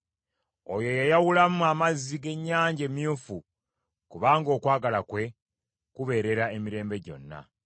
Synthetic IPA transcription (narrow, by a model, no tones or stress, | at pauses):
ojo̞jajawulamuamazːiɡe̞ɲːaːɲɟemjuːfu | kuβaːŋɡo̞ːkwaːɡalakwe̞ | kuβe̞ːɾe̞ɾaemiɾe̞ːmbe̞ɟo̞̰nːa̰